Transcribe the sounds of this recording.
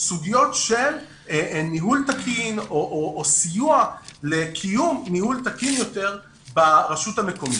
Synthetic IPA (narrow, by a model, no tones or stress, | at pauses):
suɡijo̞tʃe̞l | miɦult̪akʰinoʔoʔosijualekʰijumːihult̪akinjo̞te̞ʁ | baʁaʃuthame̞ko̞mi